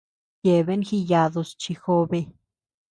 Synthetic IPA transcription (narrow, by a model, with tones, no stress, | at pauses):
je˨be˦nxi˧ja˧d̪o˧st͡ʃi˧xo˧be˧